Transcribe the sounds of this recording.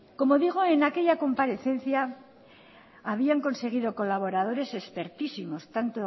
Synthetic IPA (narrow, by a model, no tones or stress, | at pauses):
ko̞mo̞ðiɣ̞oe̞nake̞ʎako̞mpaɾe̞θe̞nθja | β̞iaŋko̞nse̞ɣ̞iðo̞ko̞laβ̞o̞ɾaðo̞ɾe̞se̞spe̞ɾt̪isimo̞st̪ant̪o